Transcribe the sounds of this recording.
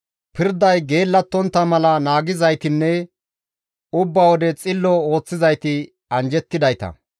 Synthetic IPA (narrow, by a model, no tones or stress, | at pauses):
pɪɾd̪ɐjɡe̞ːlːɐt̪ːɔnt̪ːɐmɐlɐnaːɡɪzɐjt̪ɪnːɛ | ʊbːɐwɔd̪ɛt͡sʼɪlːɔo̞ːt͡sːɪzɐjt̪ɪ | ɐnd͡ʒɛt̪ːɪd̪ɐjt̪ɐ̰